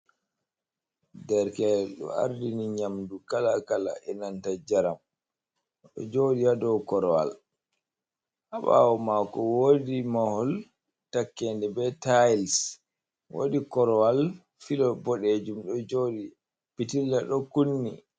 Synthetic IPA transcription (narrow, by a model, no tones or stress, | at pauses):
dɛɾkɛɗɔ̰a̰ɾdiniɲamdukalakala̰ʔɛnantad͡ʒaɾam | ɗɔ̰d͡ʒoːdijadɔwkɔɾɔwa̰l | haɓa̰wɔmakɔwodimahɔl | takːɛndɛbɛtajls | wo̰dikɔɾɔwal | filɔbɔɗed͡ʒumɗɔd͡ʒodi | pitilːaɗɔkunːḭ